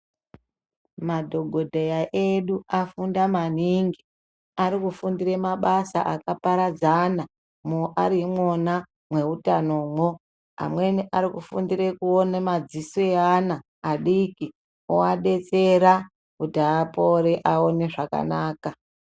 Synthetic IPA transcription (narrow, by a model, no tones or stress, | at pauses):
madʱo̞ɡʱo̞dʱejaʔeɗuafundaman̤iŋɡi | aɾikufundiremaɓasa̰ʔakapaɾad͡zana | moʔaɾimwona | mwe̞utanomwo | a̰mweniʔaɾikufundiɾekuonemad͡zisoanaː | ɗiki | oaɗe̞t͡seɾa | kudaapoɾeʔao̞ne̞ʐaka̰naːka